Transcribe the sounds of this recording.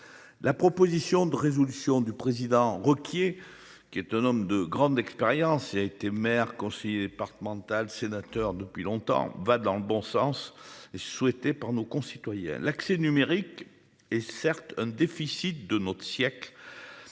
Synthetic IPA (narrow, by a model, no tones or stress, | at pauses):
lapχɔpozisjɔ̃d̪əʁezɔlysjɔ̃d̪ypχezid̪ɑ̃ʁɔkje | kʲiɛt̪ɛ̃nɔmd̪əɡʁɑ̃d̪ɛkspeʁjɑ̃siaet̪emɛʁkɔ̃sɛjed̪epaʁt̪əmɑ̃t̪alsenat̪œʁd̪əpɥilɔ̃t̪ɑ̰̃vad̪ɑ̃ləbɔ̃sɑ̰̃seswɛt̪epaʁnokɔ̃sit̪wajɛ̰̃laksenymeʁik | ɛsɛʁt̪ɛ̃d̪efisit̪̚d̪ənɔt̪χəsjɛkl